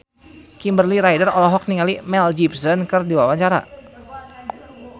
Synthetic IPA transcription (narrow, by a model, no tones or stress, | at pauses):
kimbərliɾajdərɔlɔɦɔk̚niŋalimɛld͡ʒipsənkɨrdiwawaɲt͡ʃaɾa̰